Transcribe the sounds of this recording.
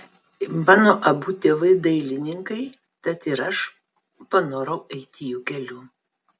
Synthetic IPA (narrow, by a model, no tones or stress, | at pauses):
mɑːnoːʔɐbuːt̪ʲeːʋɐɪd̪ɐɪlʲɪnʲɪŋkɐɪ | t̪ɐt̪ɪɾɐʃ | pɐnoːɾɐʊʔɛɪt̪ʲɪjuːkʲɛlʲuː